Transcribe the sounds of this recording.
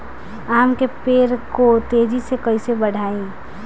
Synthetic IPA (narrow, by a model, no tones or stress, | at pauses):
aːmkepeːɾkot̪eːd͡ʒisekəɪsebəɽ̤ʱaːẽ